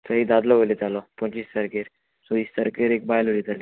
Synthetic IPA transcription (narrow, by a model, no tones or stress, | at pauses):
səɦiːd̪ad̪lɔɦoled͡z̪alɔpɔ̃ɲt͡ɕist̪əɾkeɾ | soist̪əɾkeɾek̚bajlolid͡z̪ali